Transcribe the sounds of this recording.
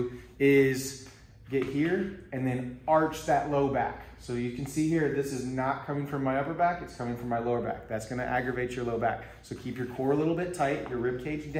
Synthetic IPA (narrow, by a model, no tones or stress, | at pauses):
ɪz | ɡ̥ɛt̚hiɹɨ̃nðɨ̃nɑɹt͡ʃðɨʔˡloʊbæ̰ksoʊjɨkn̩sihiɹðɪsɨznət̚kʰʌ̃mɪ̃ŋfɹʌ̃mːaɪʌpə˞bækɨtskʰʌ̃mɪ̃ŋfɹʌ̃mːaɪloʊə˞bæ̰k̚ðætsɡ̥ʌñɨ̰ʔæɡɹɨveɪt͡ʃə˞loʊbæ̰k | soʊkʰipjə˞kʰɔɹəlɪɾl̩ˠbɪtʰaɪtjə˞ɹɪp̚kʰeɪd͡ʒd